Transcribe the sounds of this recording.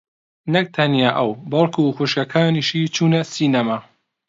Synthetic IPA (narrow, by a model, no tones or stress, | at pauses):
nɐk̚t̪ʰɐnjaːʔɐwbɐlˠkʰuːxuʃkɐkʰaːniʃiːt͡ʃʰuːnɐsiːnama